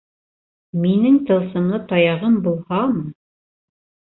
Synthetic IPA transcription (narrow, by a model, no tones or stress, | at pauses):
minɘŋt̪ɤ̆lˠsɤ̆mlˠɤt̪ɑjɑʁɤmbulˠhɑm